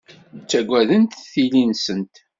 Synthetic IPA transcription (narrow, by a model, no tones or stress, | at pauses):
t͡sːæɡʷæðənt̪θilinsənt̪